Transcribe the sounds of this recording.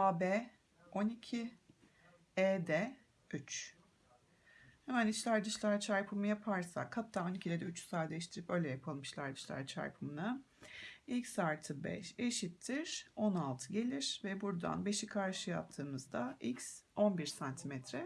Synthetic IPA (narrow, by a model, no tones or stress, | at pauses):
aːbeː | o̞nicʰi | eːd̪ɛ | yt͡ʃ | hɛmænit͡ʃlʲæɾd̪ɯʃlʲæɾt͡ʃʰaɾpʰɯmɯjapʰaɾsa̰khat̪ʰːaːo̞nicʰilʲɛd̪ɛyt͡ʃsaːd̪ɛʃt̪ʰiɾipø̞jlʲɛjapʰalˠɯmiʃlʲæ̰ɾd̪ɯʃlʲæ̰ɾt͡ʃʰa̰ɾpʰumuna | ilʲcsaɾt̪ʰɯbɛ̰ʃe̞ʃit̪ʰːiɾ̥o̞nalˠt̪ʰɯɟe̞lʲiɾ̥vɛbuɾd̪a̰nbe̞ʃikʰaɾʃɯjap̚t̪ʰːɯːmɯzd̪aicso̞nbiɾsant̪ʰimɛt̪ʰɾɛ